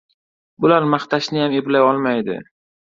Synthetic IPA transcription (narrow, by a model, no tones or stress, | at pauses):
bʊlaɾmaχt̪ʰaʃnɪjameblajɒlˠmajd̪ɪ̰